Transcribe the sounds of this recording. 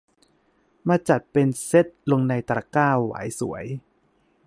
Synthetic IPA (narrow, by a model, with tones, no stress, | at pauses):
maː˧t͡ɕa˨˩t̪̚pe˧nse˦˥t̪̚lo˧ŋna˧jt̪ɾa̰˧˩kaː˥˩wːa̰ː˩˦jsṵ˩˦ɐəj